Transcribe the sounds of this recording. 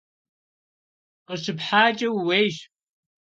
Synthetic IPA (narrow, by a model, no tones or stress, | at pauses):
qəɕɨpħaːt͡ʃʼɐwweːjʒ